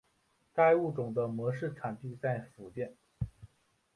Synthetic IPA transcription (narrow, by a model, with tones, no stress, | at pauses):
k̪a˥˧ɪu˥˩ʈ͡ʂʊ˨˩ŋd̪ə˦mwɔ˧˥ʂɻ̩˥˩ʈ͡ʂʰa˨˩nt̪i˥˧t͡sa˥˩ɪfu˨˩t̪jɛ˥˩n